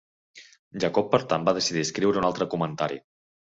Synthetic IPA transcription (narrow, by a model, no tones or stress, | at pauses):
ʒakɔpːəɾt̪ambaðəsiðiskɾiwɾəunalˠt̪ɾəkumənt̪aɾḭ